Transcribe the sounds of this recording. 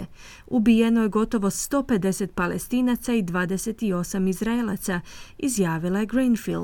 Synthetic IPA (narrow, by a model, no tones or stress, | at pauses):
e | ubije̞noje̞ɡo̞t̪o̞ʋo̞st̪o̞ːpe̞d̪e̞se̞t̪̚palḛst̪iːnat̪said̪ʋaːd̪e̞se̞t̪io̞samizɾaela̰t̪saizjaːʋilaeɡɾinfil